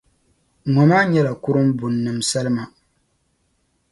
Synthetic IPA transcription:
ŋɔ˨maː˦ɲɛ˦la˨kʊ˦ɾɨ˦mbʊ˨nːɨ˨msa˦lɨ˦ma˨

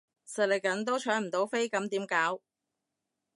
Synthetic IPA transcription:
sɐ˨˩lɪ˨˩k̚kɐ˨˥nt̪o˥wt͡ʃʰœː˨˥ŋm̩˨˩t̪o˨˥wfe˥jkɐ˨˥mt̪iː˨˥mkaː˨˥w

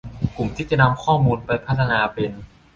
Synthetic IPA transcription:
ku˨˩mt̪ʰiː˥˩t͡ɕa˨˩na˧mkʰɔː˥˩muː˧npa˧jpʰa˥˩t̪ʰːa˧naː˧pe˧n

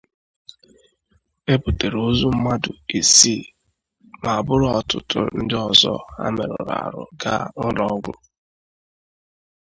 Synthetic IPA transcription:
e˦pu˨te˨ɾo˦zu˦m̩˦ma˦dʊ̰˨e˨si˦˨ | ma˨a˨bʊ˦ɾʊ˦ɔ˨tʊ˦tʊ˦n̩˦dɪ˦ɔ˨zɔ̰˦a̰˦me˨ɾʊ˨ɾa̰˨ɾʊ̰˨ɡa˦n̩˦ɾɔ˦ɡʷʊ˦

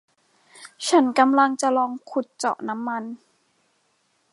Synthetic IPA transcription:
t͡ɕʰa˦˥nka˧mla˧ŋt͡ɕa˨˩lɔː˧ŋkʰu˨˩t̪̚t͡ɕɔ̰˨˩ʔna˦˥mːa˧n

